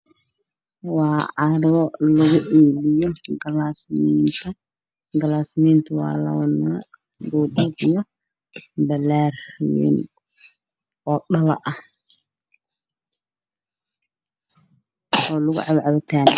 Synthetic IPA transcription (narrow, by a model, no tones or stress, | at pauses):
wɑːʕɑɾwɔlɐɣʊʔɛːlɪjɔɡɐlaːsmint̪ʰɐ | ɡɐlaːsmint̪ʰɐwɑ̰ːlɐ̰wɐnɐ | ɡuːd̪ɐðijɔ | bɐlarwɛ̰n | ɔːɗɐlɐ̰ʔɐh | ɔːlʊɣʊ̰ʕɑβʕɑβɐt̪ʰaːn